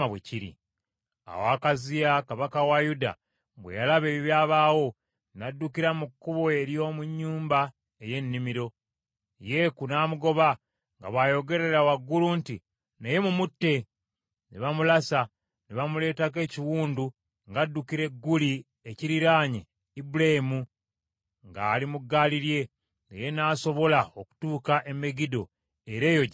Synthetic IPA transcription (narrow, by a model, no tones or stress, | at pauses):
aβwḛciɾḭ | a̰wakazijakaβakawajuda̰ | βwḛjalaβe̞ːβiβjaːβaːwo̞ | nadːukiɾamukːuβoeɾjo̞ːmuɲːuːmba | eje̞nːimiɾo̞ | je̞kunaːmuɡo̞βa | ŋɡa̰βwajo̞ɡe̞ɾe̞ɾawaɡːulunti | neje̞mumutːe̞ | neβamulasa | neβamule̞ːtake̞ːciwuːndu | ŋɡadːukiɾe̞ɡːuli | eciɾiɾaːɲe | ibulaimu | ŋɡaːlimuɡːaːliɾje̞ | ŋa̰je̞naːso̞βo̞laoku̥tuːkaʔe̞me̞ɡido̞̰ | eɾe̞ːjoɟ